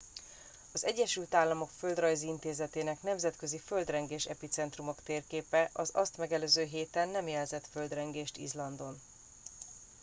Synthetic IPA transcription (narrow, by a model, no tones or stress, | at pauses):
ɒzɛɟːɛʃylt̪aːlːɒmo̞kfø̞ld̪rɒjziint̪eːzɛt̪eːnɛknɛmzɛt̪køziføld̪rɛŋɡeːʃɛpit̪sɛnt̪rumo̞kt̪eːrkeːpɛʔɒzɒst̪mɛɡɛløːzøːɦeːt̪ɛnːɛmjɛlzɛt̪fø̞ld̪rɛŋɡeːʃt̪ḭzlɒnd̪o̞n